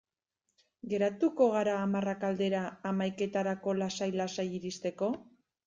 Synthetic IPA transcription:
ɡe̞ɾat̪uko̞ɣ̞aɾaːmarakald̪e̞ɾaːmajke̞t̪aɾako̞lasajlasajiɾist̪e̞ko̞

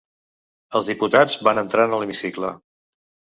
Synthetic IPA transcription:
əlˠzðiput̪ad͡zβanənt̪ɾanələmisiklə

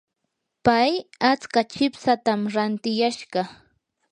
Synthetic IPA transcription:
pajat͡skat͡ʃɪpsat̪amɾant̪ɪjaʃɢɑ

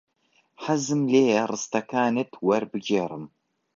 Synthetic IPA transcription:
ħazɨmleːjɐrɨst̪ʰɐkʰaːnɨtʰwɐɾbɨɡeːrˤɨm

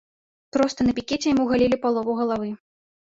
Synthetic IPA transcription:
p̪ɾɔst̪ɐnɐpʲikʲɛt͡sʲɛjamuɣalʲilʲipalˠɔvɐwɣɐlˠavɨ

